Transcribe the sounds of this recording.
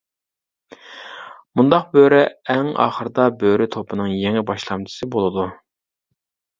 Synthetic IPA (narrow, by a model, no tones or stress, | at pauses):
mund̪ɑq̚bøɾɛɛŋɑ̰ːχəɾɨd̪ɑbøɾɪt̪ʰopʰɨnɨŋjeŋɪbɑʃlˠɑmt͡ʃʰi̥sɨbolˠɨd̪u